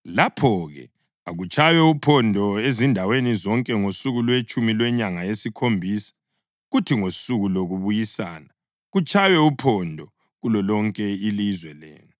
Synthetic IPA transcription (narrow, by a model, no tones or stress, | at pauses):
lapʰɔɣɛ̰ | aɣut͡ʃʰʼajɛupʰɔndʱɔezindʱawenizɔŋkʼɛŋosuɣulwet͡ʃʼumilwɛɲaŋaesikʰombʱiːsḁ | ɣutʰiŋosuɣuloɣuβujisa̰ːna | ɣut͡ʃʼajwɛupʰɔndʱɔ | ɣulɔlɔŋkʼɛilizwɛlḛːnu